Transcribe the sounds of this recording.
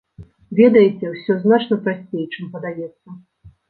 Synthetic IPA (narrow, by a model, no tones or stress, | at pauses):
vʲɛd̪ɐjɛt͡sʲɛwsʲɔznat͡ʂnɐpɾasʲt͡sʲejt͡ʂɨmpɐd̪ajɛt̪sːɐ